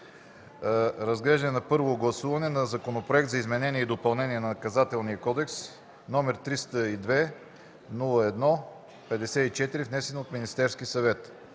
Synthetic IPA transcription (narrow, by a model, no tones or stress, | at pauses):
ɾɐzɡlɛʒd̪ənɛnɐpɤɾvoɡlˠɐsuvɐnɛnɐzɐkonopɾoɛkt̪zɐizmɛnɛniɛid̪opɐlˠnɛnʲiɛnɐnɐkɐzat̪ɛlˠniəkɔd̪ɛks | nɔmɛɾt̪ɾist̪əid̪vɛ | nulˠəɛd̪nɔ | pɛd̪ɛsɛit͡ʃɛt̪iɾifnɛsɛnot̪minist̪ɛɾskisɐvɛt̪